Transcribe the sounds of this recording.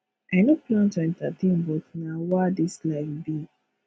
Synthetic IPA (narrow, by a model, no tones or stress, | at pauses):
aɪnoplãntuɛ̃ntatʰẽnbotnawadislaɪbi